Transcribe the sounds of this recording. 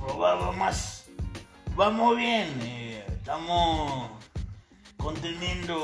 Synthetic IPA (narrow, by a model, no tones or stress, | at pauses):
aβaβamas | bamoβjenet̪amo | kont̪enend̪o